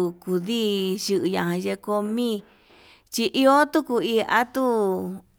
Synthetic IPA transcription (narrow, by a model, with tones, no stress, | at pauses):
u˧ku˧ði˦ʃɨ˧ʔɨ˧ɲã˧ɦã˧ʒe˧ko˧mĩ˦ | t͡ʃi˧ʔi˧o˦t̪u˦ku˧i˧a̰˦t̪u˦